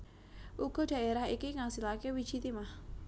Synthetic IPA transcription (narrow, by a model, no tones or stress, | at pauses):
ʔuɡ̥ɔ̤ɖ̥ä̤ʔeɾahikiŋasilakewid̥ʒ̥it̪imah